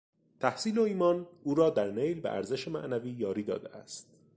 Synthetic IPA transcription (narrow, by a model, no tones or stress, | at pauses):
t̪ʰæhsiːloiːmɒːnʔuːɾɒːd̪æɾnejlbeʔæ̰ɾzeʃemæ̰ʔnæviːjɒːɾiːd̪ɒ̰ːd̪ḛæ̰st̪̚